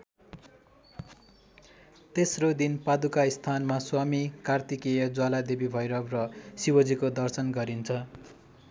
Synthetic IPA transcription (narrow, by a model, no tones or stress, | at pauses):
t̪esrod̪inpad̪ukaist̪ʰanmaswamikart̪ikejʌd͡zwalad̪ebibʱʌjɾʌbrʌsiwʌd͡zikod̪ʌrsʌnɡʌɾint͡sʰʌ